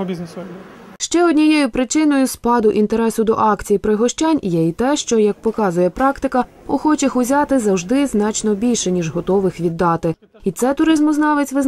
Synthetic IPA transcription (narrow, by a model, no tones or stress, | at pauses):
ʃt͡ʃɛɔd̪ʲnʲijɛjʊpɾɪt͡ʃɪnɔjʊspɑd̪ʊʔint̪eɾɛsʊd̪ɔ̰ʔɑkt͡sʲijpɾɪɦɔʃt͡ʃɑnʲjɛit̪ɛʃt͡ʃɔjɐk̚pɔkɑzʊjɛpɾɑkt̪ɪkɐ | ʊxɔt͡ʃɪxʊzʲɑt̪ɪzɐwʒd̪ɪznɑt͡ʃnɔbʲilʲʃɛnʲiʒɦɔt̪ɔʋɪxʋʲid̪ːɑt̪ɪ | it̪sɛt̪ʊɾɪzmʊznɑʋɪt͡sʲʋɪz